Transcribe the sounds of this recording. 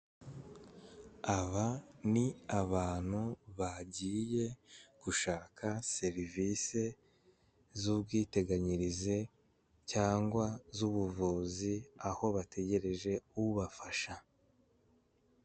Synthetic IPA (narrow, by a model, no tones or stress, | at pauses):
aβaniaβaːn̥huβaɟiːje̞ɡ̥uʃaːkʰase̞ɾivise̞ | zubɡiːte̞ɡaɲiɾize | caːŋɡwazuβuvuːziaho̞βatʰe̞ɟe̞ɾe̞ʒe̞uuβafaʃa